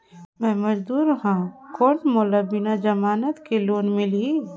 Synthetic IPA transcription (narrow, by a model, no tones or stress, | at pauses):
mɛ̃ːmɐd͡ʒd̪uːɾhãkɔːnmʊləbɪnad͡ʒɐmaːnət̪keloːnmɪli